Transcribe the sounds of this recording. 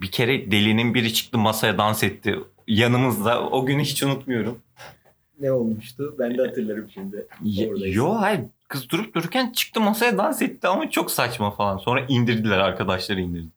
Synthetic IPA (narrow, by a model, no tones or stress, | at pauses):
bicʰe̞ɾɛd̪e̞lʲinimbiɾit͡ʃʰɯ̥k̚t̪ʰɯmasajad̪ansɛt̪ʰːɪ | janɯmɯzd̪a̰oɟynyɦit͡ʃunut̪mujo̞ɾum | nɛolˠmuʃt̪ʊbænɛhat̪ʰɯɾlˠaɾɯmʃind̪ɛjohakʰɯzɯd̪uɾup̚d̪ʰuɾuɾcʰænt͡ʃʰɯ̥k̚t̪ʰɯmasajad̪ansɛt̪ːiamat͡ʃʰo̞ksat͡ʃmafalˠanso̞nɾaʔind̪iɾd̪ilʲæɾaɾkʰad̪aʃlˠaɾɯind̪iɾd̪ɪ